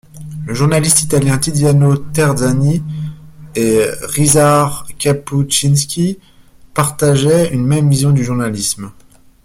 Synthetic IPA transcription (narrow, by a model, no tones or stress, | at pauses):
ləʒuʁnalist̪it̪aljɛ̃t̪id̪janot̪ɛʁd̪zani | eʁizaʁkʲaput͡ʃinskʲi | paʁt̪aʒɛynmɛmvizjɔ̃d̪yʒuʁnalism